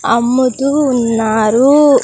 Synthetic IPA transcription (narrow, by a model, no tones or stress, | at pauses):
ɐ̰mːud̪uːnːaːɾu